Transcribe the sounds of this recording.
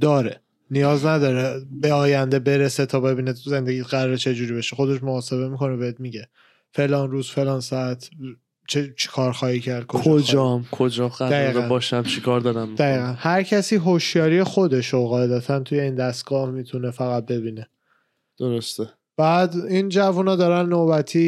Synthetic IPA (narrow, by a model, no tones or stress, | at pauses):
d̪ɒːɾe | nijɒːznæd̪ɒːɾebeɒːjænd̪e̞be̞ɾeset̪ʰɒːbe̞biːneze̞nd̪eɟiːt̪ɣæɾɒɾet͡ʃʰe̞d͡ʒuːɾiːbeʃexod̪e̞ʃmoːse̞βe̞mikʰo̞nebeet̪̚miɟe | fe̞lɒːnruːzfe̞lɒːnsɒæt̪ʰ | t͡ʃʰet͡ʃʰe̥kʰɒːɾxɒːhiːcʰæɾd̪̥̚kʰod͡ʒʰod͡ʒɒmkʰod͡ʒɒɣæd̪æiːɡ̪d̪eænbɒːʃæmt͡ʃʰikʰɒɾd̪ɒɾæmd̪æiːɣænhæɾcʰæsiːɦoʃjɒːɾijexo̞d̪e̞ʃoɣɒːed̪æt̪ʰænt̪ʰuje̞iːnd̪æst̪̚ɡ̥ɒːhmit̪ʰunefæɣæt̪̚be̞biːne | d̪̥oɾost̪e | b̥æːd̪ind͡ʒævunɒːd̪ɒːɾænːobæt̪ʰiː